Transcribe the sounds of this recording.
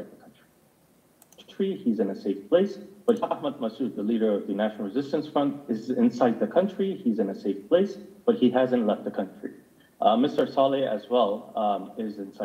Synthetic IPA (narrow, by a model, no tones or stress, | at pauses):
d̪̚ðəkʰʌ̃nt͡ʃɹ̥i | t͡ʃɹ̥iizɨ̃nɨseɪfpʰl̥eɪsb̥ʌt̚ɑhməd̚məsʉt̪̚ðəliɾə˞ʌvðɨnæʃnl̩ˠɹɨzɪstɨ̃nsfɹʌ̃ntɨzɪ̃nsaɪd̪̚ðɨkʰʌ̃nt͡ʃɹ̥iizɨ̃nɨseɪfpʰl̥eɪsb̥ʌt̚hiɦæzɨ̃nʔˡlɛft̪̚ðɨkʰʌ̃nt͡ʃɹ̥ḭ | mɪstə˞sɑlˠiɨ̰zwɛlˠɪzɨ̃nsa